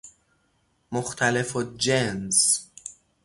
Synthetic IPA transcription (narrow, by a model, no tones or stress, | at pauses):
moxt̪ʰælefod͡ʒens